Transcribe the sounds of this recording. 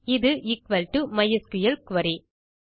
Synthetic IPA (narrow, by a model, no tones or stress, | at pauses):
ɪðɯʔɪkʋɐlʈumɐjɐskɯjɐlkʋɐɾi